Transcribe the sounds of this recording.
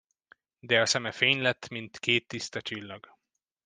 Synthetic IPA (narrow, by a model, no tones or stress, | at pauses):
d̪ɛɒsɛmɛfeːɲlɛt̪ːmint̪keːt̪ːist̪ɒt͡ʃilːɒɡ